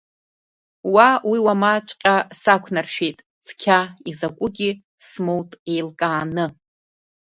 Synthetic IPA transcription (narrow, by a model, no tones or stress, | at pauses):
wawiwamat͡ʃʷʼqʲʼasakʷʰnarʃᶣejtʼ | skʲʰaizakʷʼʊɡʲi | smowtʼe̞jlkʼaːnɨ